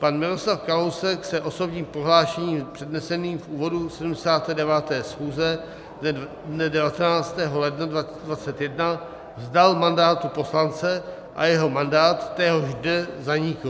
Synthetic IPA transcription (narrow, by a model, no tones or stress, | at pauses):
panmɪlo̞slafkalowsɛksɛʔo̞so̞bɲiːmpɾoɦlaːʃɛɲiːmpr̝̥ɛdnɛsɛniːmfʔuːvo̞dusɛdumdɛsaːt̪ɛːdɛvaːt̪ɛːsxuːzɛ | dnɛ | dnɛdɛvat̪ɛnaːt͡st̪ɛːɦo̞lɛdnadva | dvat͡sɛt̪jɛdna | vzdalmandaːt̪upo̞slant͡sɛ | ʔa̰jɛɦo̞mandaːt̪ːɛɦoʒdnɛzaɲɪkl